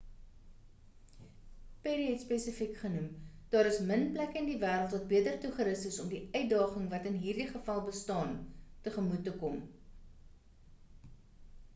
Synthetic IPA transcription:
peɾiɦɛtspesəfikχənumd̥ɑːɾəsmənplækəəndivæːɾəlˠtvɐt̚biətərtuχəɾəstəsɔmdiœɥt̚dɑːχəŋvɐtənɦiːrdiχəfɐlˠbəstɑːntəχəmutːəkɔm

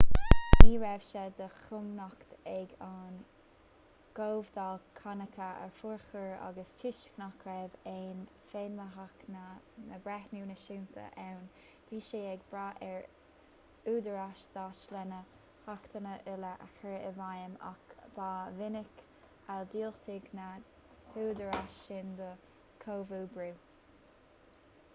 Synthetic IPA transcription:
iːɹɛvʃɛd̪əxʊmnɔkt̪ɛɡɑːn | ɡ̥oːvd̪alkʰanəkʰəɛ̰ɹfuɹxəɹa̰ɡəstʰɪʃknakʰɾɛveːnfeːnməɦaknənəbɾɛxnuːnəʃuːnt̪ʰə̰ʔɛwn | d̥iːʃeːɛɡbɾaːʔɛɹ | uːd̪əɹaʃd̪̥aːt͡ʃlɛnə | hakt̪ʰənəʔɪləʔa̰xəɹəvajəma̰kb̥aːvɪnɪk | ald̪iːlt̪ʰɪɡna | huːd̪əɹaʃɪnd̪ə | kʰoːvubɹuː

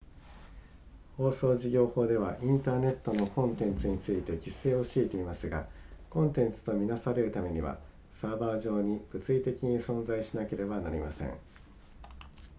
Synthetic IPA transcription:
ho̞ːso̞ːʑiɡʲo̞ːho̞ːd̪e̞β̞aʔĩnt̪aːne̞t̪ːo̞no̞kõ̞nt̪ẽ̞nt͡sɨɲ̟it͡sɨit̪e̞kʲise̞ːoɕiːt̪e̞imasɨɡa̰kõ̞nt̪ẽ̞nt͡sɨ̥t̪o̞mʲinasaɾe̞ɾɯ̟t̪ame̞ɲ̟iβa̰ | saːbaːʑo̞ːɲ̟ib̥ɯ̟t͡sɨit̪e̞kʲiɲ̟isõ̞nd͡zaiɕinake̞ɾe̞banaɾʲḭmasḛ̃ɴ

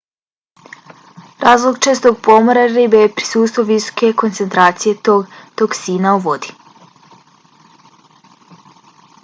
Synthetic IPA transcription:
ɾaːzlˠoɡt͡ʃest̪oɡpo̞moɾaɾibejepɾi̥suːt̪st̪vʋoʋiso̥ke̞ko̞nt̪se̞nt̪ɾaːt̪sije̞t̪oɡt̪oksiːnauʋo̞d̪i̥

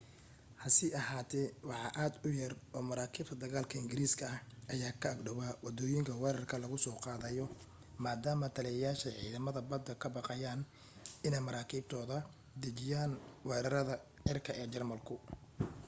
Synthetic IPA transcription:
hɐsɪʔɐɦaːt̪ʰɛwɑħɑ̰ʔaːd̪ʊjɐrɔːmɐɾaːkʰiːb̚t̪ʰɐd̪ɐɣaːlkʰɐɪŋɡɪɾiːskʰɐɐʔɐjaːkʰɐːɡɖɔwawɑd̪ɔːjɪŋkʰɐwɛːɾɐrkʰɐlɐɣʊsɔːqɑːðɐjɔ | maːd̪aːmɐt̪ʰɐlijɛjaːʃɛjʕḭːðɐmɐðɐbɐd̪ɐkʰɐbɑqɑjaːn | ɪnɛjmɐɾaːkʰiːb̚t̪ʰɔːðɐ | d̪ɐt͡ʃɪjaːnwɛːɾɐɾɐðɐʕɪrkʰɐɛːt͡ʃɐrmɐlkʰʊ

